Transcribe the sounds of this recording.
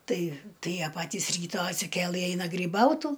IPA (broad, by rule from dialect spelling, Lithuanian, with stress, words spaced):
ˈtɐɪ ˈtɐɪ ˈjiɛ ˈpɑːtʲiːs ˈrʲiːtɑː ɐtʲsʲɪˈkʲeːlˠɨ ˈɛɪnɐ ɡrʲiːˈbɐʊtuː